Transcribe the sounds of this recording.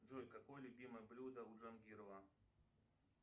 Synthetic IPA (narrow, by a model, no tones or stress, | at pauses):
ʐɔlʲkakɔjlʲʊbʲimɨjblʲud̪ɐuʐɐnɡʲiɾlˠa